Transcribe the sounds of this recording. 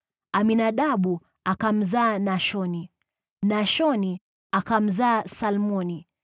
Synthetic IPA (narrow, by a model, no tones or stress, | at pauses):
aminaɗaɓu | akam̩zaːnaʃɔni | naʃɔni | akam̩zaːsalmɔni